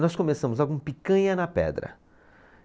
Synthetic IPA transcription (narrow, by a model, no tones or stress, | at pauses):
nɔskõmesɐ̃mʊzaɡũpikɐ̃ɲɐnɐpɛ̰d̪ɾɐ̰